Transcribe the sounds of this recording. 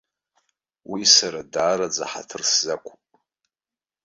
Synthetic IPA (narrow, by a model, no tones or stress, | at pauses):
wisaɾadaːɾad͡za̰ħa̰tʰɨrszakʷʰupʼ